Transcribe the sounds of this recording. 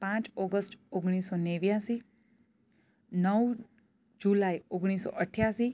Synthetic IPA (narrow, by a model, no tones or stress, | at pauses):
pãt͡ʃɔɡəsʈoɡɽ̃isoneʋjasi | nəw | d͡ʒulaioɡɽ̃isɔ̰ʔəʈʰjasi